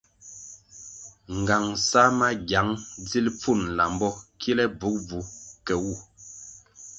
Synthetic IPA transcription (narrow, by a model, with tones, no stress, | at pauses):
ŋ˨ɡa˨ŋsa˦ma˦ɡja˨˦ŋd͡zi˦lp͡fu˦˨nla˨mbɔ˦kʰi˦lɛ˦b͡vu˨˦k̚b͡vu˨kɛ˨wu˦˨